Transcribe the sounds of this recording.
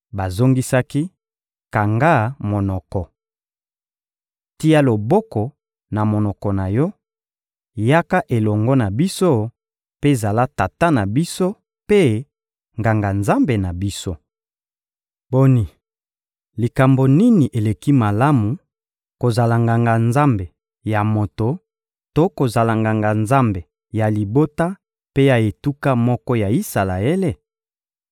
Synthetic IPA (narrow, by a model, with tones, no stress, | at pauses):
ba˨zo˦ŋɡi˦sa˦ki˦ | ka˨ŋɡa˦mo˨nɔ˨kɔ˨ | ti˦a˦lo˨bɔ˦kɔ˨ | na˨mo˨nɔ˨kɔ˨na˨jɔ˦ | ja˦ka˦ʔe˨lɔ˨ŋɡɔ˦na˨bi˦so˦ | pe˦˨za˨la˦ta˨ta˦na˨bi˦so˦ | pe˦ | ŋɡa˨ŋɡa˨nza˦mbe˨na˨bi˦so˦ | b̥o˨ni˨ | li˨ka˨mbo˨ni˦ni˨ʔe˨le˨ki˦ma˨la˦mu˨ | ko˨za˨la˨ŋɡa˨ŋɡa˨nza˦mbe˨ | ja˨mo˨to˨ | to˦ko˨za˨la˨ŋɡa˨ŋɡa˨nza˦mbe˨ | ja˨li˨bo˦ta˦ | pe˦ja˨e˨tu˦ka˦mɔ˦kɔ˦ja˨i˦sa˨la˨ɛ˦le˦